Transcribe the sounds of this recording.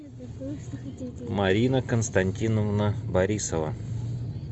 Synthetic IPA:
mɐɾʲinəkənst̪ɐnʲtʲinəvnəbɐɾʲisəvə̰

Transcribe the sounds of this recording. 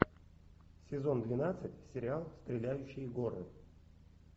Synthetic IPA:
sʲɪzo̞nd̪vʲɪnat̪sɨtʲsʲɪɾʲɪalˠst̪ɾʲɪlʲæjʉɕːɪjɡo̞ɾɨ̰

